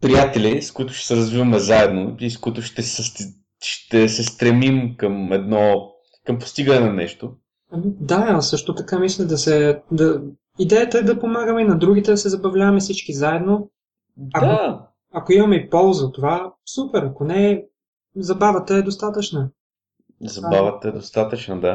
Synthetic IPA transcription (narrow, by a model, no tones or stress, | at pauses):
pɾijat̪ɛlʲiskʊit̪ʊ̥ʃt̪ɛ̥sɛɾɐzvivɐmɛzaɛd̪noiskʊit̪ʊʃt̪ɛsɛ | ʃt̪ɛsɛst̪ɾɛmimkəmɛd̪nɔ | kɐmpo̥st̪iɡənɛnɐnɛ̰ʃt̪o | ɐmid̪asɤʃt̪ot̪ɐkamislʲɛd̪ɐsɛd̪ɐ | id̪ɛjət̪əɛd̪ɐpomaɡəmɛinɐd̪ɾuɡ̟it̪ɛd̪ɐsɛzɐbɐvlʲavɐmɛsit͡ʃkizaɛd̪no | dɐkao | ɐkoimɐmɛipɔlˠzət̪ːovasupɛɾɐkonɛ | zɐbavət̪əɛd̪ost̪at̪ət͡ʃnə | zɐbavət̪əɛd̪ost̪at̪ət͡ʃnəd̪a